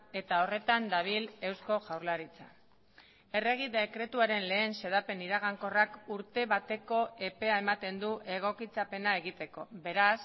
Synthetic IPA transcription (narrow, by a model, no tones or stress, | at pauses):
e̞t̪ao̞re̞t̪and̪aβ̞ile̞wsko̞ʝawɾlaɾit͡sa | e̞re̞ɣ̞iðekɾe̞t̪uaɾe̞nle̞ːnse̞ðape̞niɾaɣ̞aŋko̞rakuɾt̪e̞βat̪e̞ko̞e̞pe̞ae̞mat̪e̞nd̪uʔe̞ɣ̞o̞kit͡sape̞nae̞ɣit̪e̞ko̞βe̞ɾas